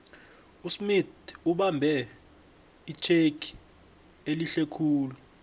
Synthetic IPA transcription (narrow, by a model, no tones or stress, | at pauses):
usmituɓambʱɛ | it͡ʃʰekʰi̥ | eliɬekʰuːlu